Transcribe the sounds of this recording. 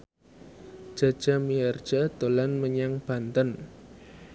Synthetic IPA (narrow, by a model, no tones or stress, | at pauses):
ʒ̥a̤̥ʒ̥a̤miard̥d͡ʒ̥ad̪̥o̤lanməɲaŋb̥a̤nt̪ən